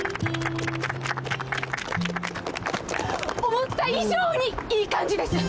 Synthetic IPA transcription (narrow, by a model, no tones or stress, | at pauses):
omõt̪ːaiʑoːɲ̟iiːkãɲ̟d͡ʑid̪e̞sɨ